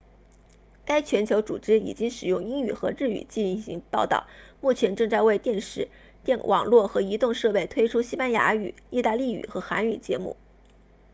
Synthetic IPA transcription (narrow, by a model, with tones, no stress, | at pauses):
ka˥ɪt͡ɕʰɥɛ˧˥nt͡ɕʰjo˧˥ʊt͡sṵ˨˩ʈ͡ʂɻ̩˥ḭ˨˩t͡ɕi˥ŋʂɻ̩˨˩jʊ˥˩ŋi˥ŋy̰˨˩xɤ˧˥ɻɻ̩˥˩y̰˨˩t͡ɕi˥˧˥ɕḭ˧˥ŋpɑ˥˧ʊt̪ɑ̰˥˩ʊmu˥˩t͡ɕʰjɛ˧˥nʈ͡ʂɤ˥˧ŋt͡sa˥˧ɪwe˥˧ɪt̪jɛ˥˧nʂɻ̩˥˩ | t̪ɛ˥˩nwʔɑ̰˨˩ŋlwɔ˥˩xɤ˧˥i˧˥t̪ʊ˥˧ŋʂɤ˥˧pe˥˩ɪt̪ʰwe˥ɪʈ͡ʂʰu˥ɕi˥pa˥nja˧˥y̰˨˩˦i˥˧t̪a˥˧li˥˩y̰˨˩xɤ˧˥xa̰˧˥ny˨˩t͡ɕjɛ̰˧˥mṵ˥˩